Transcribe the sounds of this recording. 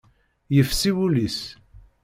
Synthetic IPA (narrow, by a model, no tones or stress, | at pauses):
jəfsiwulis